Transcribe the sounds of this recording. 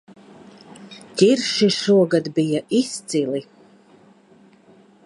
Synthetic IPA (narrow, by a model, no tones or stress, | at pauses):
t̪ʲiɾʃiʃuɔɡad̪bijaʔist̪sili